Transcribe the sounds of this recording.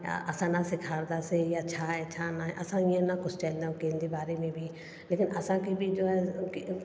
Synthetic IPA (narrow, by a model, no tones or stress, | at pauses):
əsãːnãːsɪkʰaːɾd̪aːseːjaːt͡ʃʰaːɛt͡ʃʰaːnãʔəsãːɪãnãːkʊt͡ʃʰt͡ʃɛːld̪aːõːkeːnd̪eːbaːɾeːmẽːbʱiː | leːkɪnəsãːkibʱiːd͡ʒoːɛːk